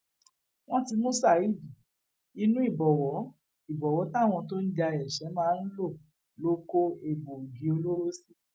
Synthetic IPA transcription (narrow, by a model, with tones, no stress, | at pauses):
w̃ɔ̃˦ti˧mũ˦sa˦˨i˦˨d͡ʒi˨ | i˧nũ˦i˦˨bɔ˨wɔ˨˦ | i˨bɔ˨wɔ˨˦tã˦˨w̃ɔ̃˧to˦n̩˦d͡ʒa˧ɛ˨ʃɛ˨˦mãː˦n̩˦lo˦˨ | lo˦ko˦e˨bo˨ɡi˨˦o˧lo˦ɾo˦si˦